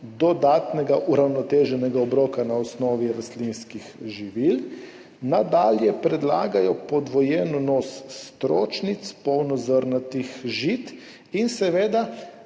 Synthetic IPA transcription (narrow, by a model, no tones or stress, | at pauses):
d̪ɔd̪aːt̪nɛɡaʔuɾawnɔt̪eːʒɛnɛɡaɔbɾoːkanaɔsnɔːʋiɾast̪linskixʒiʋil | nad̪aːljɛpɾɛd̪laːɡajɔpɔd̪ʋɔjɛːnɔnɔːsːt̪ɾoːt͡ʃnit̪spɔwnɔzəɾnat̪ixʒit̪ | insɛʋeːd̪a